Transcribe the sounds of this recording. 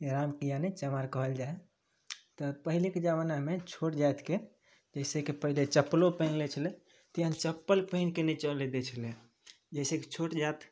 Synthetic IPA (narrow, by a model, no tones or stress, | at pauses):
eɾamkijanet͡ʃəmaɾkəɦəld͡ʒae | t̪ɔpəɦileked͡ʒaʋənamet͡ʃʰoʈd͡ʒat̪ke | d͡ʒəjsekepəɦilet͡ʃəpːlopəɪnlɛt͡ʃʰəle | t̪iənt͡ʃəpːəlpəɪnkenɛt͡ʃəled̪et͡ʃʰəlẽ | d͡ʒəɪseket͡ʃʰoʈd͡ʒat̪